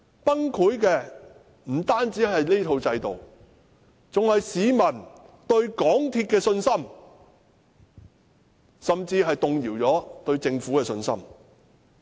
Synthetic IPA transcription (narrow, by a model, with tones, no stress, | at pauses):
pɐ˥ŋkʰuː˨˥jkɛː˧ | m̩˨˩t̪aː˥nt͡siː˨˥ɦɐ˨jle˥t̪ʰo˧wt͡sɐ˧jt̪o˨w | t͡sʊ˨ŋhɐ˨jsiː˨˧mɐ˨˩nt̪ɵ˧ɥkɔː˨˥ŋt̪ʰiː˧t̚kɛː˧sɵ˧nsɐ˥m | sɐ˨mt͡siː˧ɦɐ˨jt̪ʊ˨ŋjiː˨˩wt͡sɔː˨˥t̪ɵ˧ɥt͡sɪ˧ŋfuː˨˥kɛː˧sɵ˧nsɐ̰˥m